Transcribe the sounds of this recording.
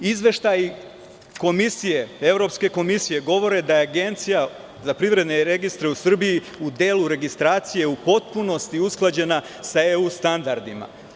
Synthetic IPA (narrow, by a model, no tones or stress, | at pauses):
izʋe̞ʃt̪aj | ko̞misije̞e̞ʋɾo̞pske̞ko̞misije̞ɡo̞ʋo̞ɾe̞d̪ajeaɡe̞nt̪sija | zapɾiʋɾe̞d̪neɾe̞ɡist̪ɾeusr̩biji | ud̪e̞ːluɾe̞ɡist̪ɾaːt̪sije̞upo̞t̪̚puno̞st̪iusklˠad͡ʑe̞na | saeust̪and̪aɾd̪ima̰